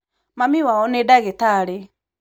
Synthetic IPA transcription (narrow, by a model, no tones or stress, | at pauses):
mamiwaɔnedaɣetaɾe